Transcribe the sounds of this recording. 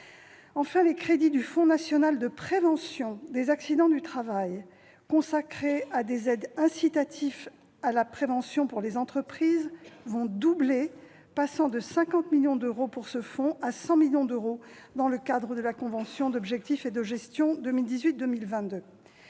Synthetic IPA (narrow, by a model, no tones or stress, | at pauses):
ɑ̃fɛ̃lekχed̪id̪yfɔ̃nasjɔnald̪əpχevɑ̃sjɔ̃d̪ezaksid̪ɑ̃d̪yt̪χavaj | kɔ̃sakχead̪ezɛd̪ɛ̃sit̪at̪ʰif | alapχevɑ̃sjɔ̃puʁlezɑ̃t̪χəpχizvɔ̃d̪uble | pasɑ̃d̪əsɛ̃kɑ̃t̪miljɔ̃d̪øʁopuʁsəfɔ̃asɑ̃miljɔ̃d̪øʁo | d̪ɑ̃ləkad̪ʁəd̪əlakɔ̃vɑ̃sjɔ̃d̪ɔbʒɛk̚t̪ifed̪əʒɛst̪jɔ̃d̪əmild̪izɥit̪̚d̪əmilvɛ̃t̪̚d̪ø